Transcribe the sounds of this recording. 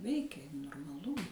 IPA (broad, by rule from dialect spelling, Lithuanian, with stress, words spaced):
ˈʋʲɛɪkʲeː noːrmɐˈlˠʊ